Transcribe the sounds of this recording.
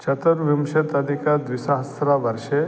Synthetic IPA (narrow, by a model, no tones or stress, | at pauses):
t͡ʃʰɐt̪əɾʋimʃɐt̪ɐd̪ʱikad̪ʋisaɦɐst̪ɾaʋɐɾʃe